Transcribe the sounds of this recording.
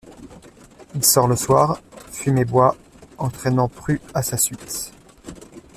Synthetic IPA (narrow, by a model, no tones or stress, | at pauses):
ilsɔʁləswaːʁfymebwa | ɑ̃t̪χɛnɑ̃pχyasasɥit̪